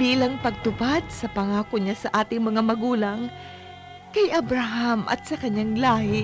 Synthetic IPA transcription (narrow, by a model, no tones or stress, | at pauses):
biːlɐŋpɐɡ̚t̪ʊpad̪̚sɐpɐŋaːkoɲasɐʔaːt̪ɪŋmɐŋamɐɡuːlɐŋ | kɐjʔɐbɾaɦamʔɐ̰t̪̚sɐkɐɲːaŋlaːhɪ